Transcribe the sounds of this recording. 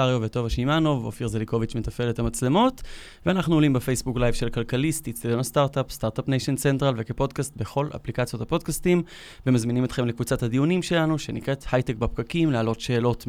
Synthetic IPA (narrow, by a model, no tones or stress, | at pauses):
aʁjoveto̞vaʃimanovo̰fiʁzeliko̞vit͡ʃme̞tafe̞lethamat͡sle̞mo̞t | veanaχnulimbefejsbuklajvʃe̞lkalkalist̪itst̪adonastaʁt̪apst̪aʁt̪apnejʃent͡sentʁalvekepo̞dkast̪̚be̞χo̞la̰plikat͡sjo̞thapo̞d̚kastim | vemazminimetχemlekvut͡sathadiunimʃelanuʃe̞nikʁethajtekbap̚ɡ̥akimlealo̞tʃe̞ːlo̞t